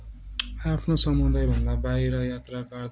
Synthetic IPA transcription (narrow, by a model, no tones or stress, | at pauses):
apʰnosʌmund̪ajbʱʌnd̪abaiɾʌjat̪rakʌrd̪